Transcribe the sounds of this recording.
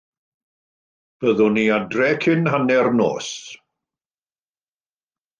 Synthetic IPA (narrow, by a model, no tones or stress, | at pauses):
b̥əðʊniadrɛkʰɪnhanɛrno̰ːs